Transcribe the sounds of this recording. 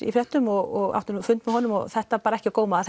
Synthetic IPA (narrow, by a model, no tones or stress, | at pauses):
ḭfɾɛht̪ːʏmɔɣɔɣa̰wt̪ʏnfʏnt̪mɛðhɔːnʏmɔ̰ɣθɛht̪apaːɾaɛhcɪkoːwmaθ